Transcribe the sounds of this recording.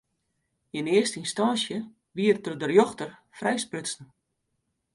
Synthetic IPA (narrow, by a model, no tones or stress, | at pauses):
ɪnɪərstəinstansjə | ʋiərtədərjoxtərfrɛjsprøsn̩